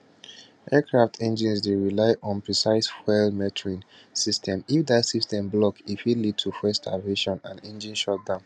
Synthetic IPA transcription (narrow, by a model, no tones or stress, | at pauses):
ɛkɹaftʰɛ̃nd͡ʒĩnsdeɹilaɪʔɔ̃npɹisaɪswɛlmɛtʰɹĩn | sistʰɛ̃mifdatsistʰɛ̃mblɔkifilid̚tʰufɛstʰaveʃɔ̃nã̰nɛ̃nd͡ʒĩnʃɔt̚dãʊ̃n